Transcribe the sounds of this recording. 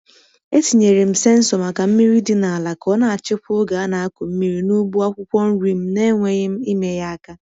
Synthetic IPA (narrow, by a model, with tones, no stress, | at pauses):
e˦ti˨ɲe˨ɾɪ˨m̩˨se˦n̩˦sɔ˨ma˨ka˨m̩˦mi˦ɾi˦dɪ˦na˨a˨la˨kɔ˦na˨a˨t͡ʃɪ˦pʊ˦ɡa˨˦na˨a˦kʷʊ˨m̩˦mi˦ɾi˦nu˦bu˦a˦kʷʊ˦kʷɔ˦n̩˦ɾi˨m̩˦ne˦ŋʷe˦ɣɪ˦m̩˦i˦me˦ja˦a˦ka˦